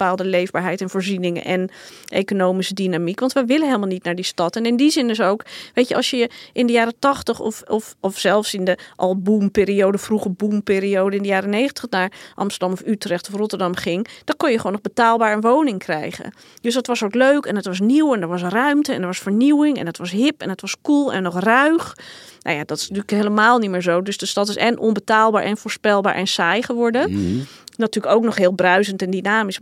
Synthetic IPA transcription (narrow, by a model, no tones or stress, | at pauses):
bəpaːlˠdəlejvbaːɹɦɛjtɛnvoːɹzinɪŋə̰nʔɛ̰nʔḛjkonowmisədinamikʋɑntʋəjʋɪlənɦeɪlˠmalˠnitnaːɹdistɑtɛnɪndizɪndɵs̬owkʋejtəʔɑ̰lˠsjəʔɪndəjaːɾətɑχtəχɔ̰fɔfɔfsɛlˠfsɪndəʔɑlˠbumpɪːɾiowdəfruχəbumpɪːɾiowdəɪndəjaːrənejχəntəχnaːɹʔɑ̰mstəɹdɑmɔfytrɛχtɔfrɔtəɹdɑmχɪŋd̥ɔkɔnjəχʋonɔχbətaːlˠbaːɹənʋownɪŋkrɛ̰jχə̰n | dɵsətʋɑsowkløɥkɛnətʋɑs̬niwɛndəɹʋɑs̬rœɥmtəɛndəɹʋɑsfəɹniwɪŋɛ̰nətʋɑsɦɪpɛ̰nətʋɑskulˠɛ̰nnːɔχrœɥχ | no̰wjadɑtɪ̥snətyːləkɦeləmaːlˠnitmɪːɹzowdɵsdəstɑtɪsɛnʔɔnbətaːlˠbaːɹʔɛ̰nfoːɹspɛlˠbaːɹʔɛnsaːjχəʋɔɹdə | natyːləkowknɔχɦɪːlˠbrœɥzəntɛndinaːmis